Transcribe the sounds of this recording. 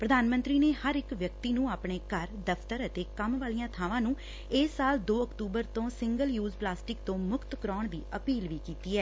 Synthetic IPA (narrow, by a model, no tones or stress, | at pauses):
pɾəd̪aːnmənt̪ɾiːneːhəɾɪkʋjək̚t̪iːnũːaːpɳeːkəɾd̪əpʰt̪əɾət̪eːkəmʋaːlijãːt̪ʰaːʋãːnũː | ɪsːaːld̪oːəkt̪uːbəɾt̪õːsɪ̃ŋɡəljuːzplaːsʈɪkt̪õːmʊkt̪kəɾɔːɳd̪iːʔəpiːlʋiːkiːt̪iːɛː